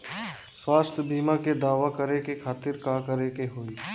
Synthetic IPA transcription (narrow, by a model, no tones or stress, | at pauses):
swaːst̪ʰjəbʱiːmaked̪aːʋakəɾekekʰaːt̪ɪɾkaːkəɾekeɦoːiː